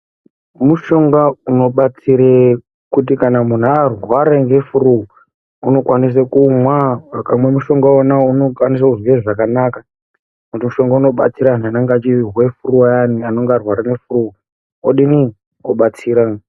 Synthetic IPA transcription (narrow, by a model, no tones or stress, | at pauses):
muʃo̞ŋɡauno̞ɓat͡siɾe | kutikanamun̤uarwaɾeŋɡe̞fuɾuo | uno̞kwanis̬akumwaakamwemuʃo̞ŋɡaonaunokwanis̬akuzweʐakanaːka | kutimuʃo̞ŋɡauno̞ɓa̰t͡siɾan̤anaŋɡat͡ʃiiɦwe̞furuajanianoŋɡarwaɾanefuruo | oɗini | oɓat͡siːɾa